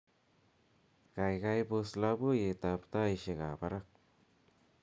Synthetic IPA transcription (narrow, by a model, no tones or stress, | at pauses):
kajɡajbuslabujet̪apt̪aiʃeɡabaɾak̚